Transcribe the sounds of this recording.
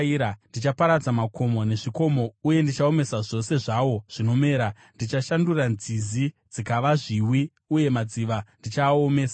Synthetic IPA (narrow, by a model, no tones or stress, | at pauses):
iɾandit͡ʃapaɾad͡zamako̞mo̞ne̞ʐiko̞mo̞uje̞ndit͡ʃao̞me̞saʐo̞se̞ʐawo̞ʐ̥ino̞me̞ːɾa | ndit͡ʃaʃanduranzizi | d͡zikaʋaʐiwi | uje̞mad͡ziʋandit͡ʃaːome̞ːsa